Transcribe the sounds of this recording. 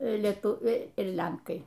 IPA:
lʲɛˈtʊʋʲɛɪ ɪr ˈlʲɛŋkɐɪ

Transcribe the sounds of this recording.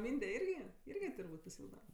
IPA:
ˈmʲiːnʲdʲɛ ˈɪrʲɡʲɪ ˈɪrʲɡʲɪ tʊrˈbuːtʲ pɐsʲɪˈɪlˠɡdɐ

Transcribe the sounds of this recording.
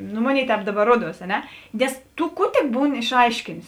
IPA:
ˈnʊ ˈmoːˌnʲeːɪ ˈtʲɛːp ˈdɑːˌbɐr ˈruɔˌduɔs ɐ ˈnʲɛ ˈnʲɛs ˈtʊ ˈkuː tʲɪk ˈbuːnʲɪ ɪʃˈɐɪʃʲkʲeːnʲeːs

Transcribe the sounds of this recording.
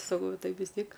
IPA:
sɐˈkɐʊ ˈtɐɪ ʋʲɪs ˈtʲiɛk

